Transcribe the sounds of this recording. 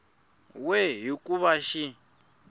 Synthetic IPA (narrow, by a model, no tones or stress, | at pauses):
wɛɦikʼuβaʃi